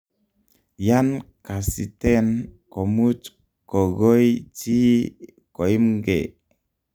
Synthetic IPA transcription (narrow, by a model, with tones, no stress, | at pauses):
ja˦nka˨si˨te˦nko˨mu˦t͡ʃ | ko˨ɡo˦jt͡ʃi˦ | ko˨i˦mɡḛ˨